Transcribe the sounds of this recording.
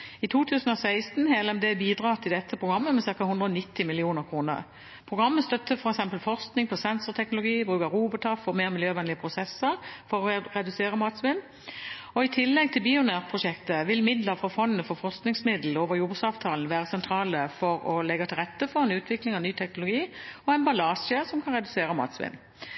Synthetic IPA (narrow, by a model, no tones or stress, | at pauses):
ɪt̪ʰuːt̪ʰʉːsn̩ɔsæɪst̪n̩hɛːlɔmd̪ɛbiːd̪ʁɑːt̪ʰɪld̪ɛt̪ʰːəpʰʁʊɡɑmːəmɛsɪʁkɑhʊnd̪ʁəɔnɪt̪ːɪmɪlɪuːnəʁkʰʁuːnə̰ʁ | pʰʁʊɡʁɑmːəst̪œt̪ːəfɔɾɛksɛmpəlfɔʁsknɪŋpʰɔsɛnsʊʁt̪ʰɛknʊlʊɡiːbʁʉːkɑʁuːbɔʈ̪ʰɑfɔʁmeːʁmɪljøːʋɛnlɪəpʰʁʊsɛsːəʁfɔʁɔʁɛd̪ʉseːʁəmɑːt̪sʋɪnː | ɔɪt̪ʰɪlːɛɡ̚t̪ʰɪlbɪʊnæːʁpʰʁʊʃɛkt̪əʋɪlmɪd̪ləʁfʁɑfɔnːəfɔfɔʁsknɪŋsmɪd̪l̩oːʋəʁjʊbsɑːʋt̪ʰɑːln̩ʋæːʁəsɛnt̪ʰɾɑːləfɔɾɔlɛɡɑt̪ʰɪlʁɛt̪ːəfɔʁɛnʉːt̪ʰʋɪklɪŋɑnyːt̪ʰɛknʊlʊɡiːɔɛnbɑlɑːsəsɔmkʰɑnʁɛd̪ʉseːɾəmɑ̰ːt̪sʋɪ̰nː